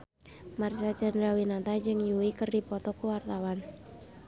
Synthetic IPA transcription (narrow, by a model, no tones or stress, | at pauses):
marsad͡ʒɛndɾawinat̪ad͡ʒɨŋjuwikərdipɔt̪ɔkuwart̪awan